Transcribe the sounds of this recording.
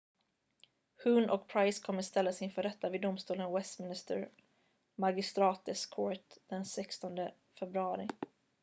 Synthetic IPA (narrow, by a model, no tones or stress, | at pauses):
hʉːnʔɔkpʰɾajskʰɔmːəst̪ɛlːasɪnfœɖɛt̪ːavɪd̪ʊmst̪uːlənwɛst̪mɪnɪst̪ə̰ɾ | maɡɪst̪ɾɑːt̪̚ɛskʰɔɾt̪d̪̥ɛnsɛkst̪ɔnd̪ə | fɛbɾɵɑːɾɪ